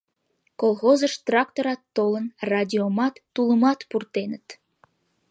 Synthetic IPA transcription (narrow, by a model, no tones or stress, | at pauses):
kolˠɣozəʃt̪rɑkt̪oɾɑt̪ːolənrɑdʲiomɑt̪ːuləmɑt̪purt̪enət̪